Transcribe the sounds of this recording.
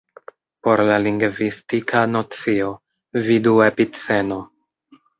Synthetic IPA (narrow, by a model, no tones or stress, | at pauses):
po̞ɾlaliŋɡvistikʰanot͡sio̞ | viduepit͡se̞no̞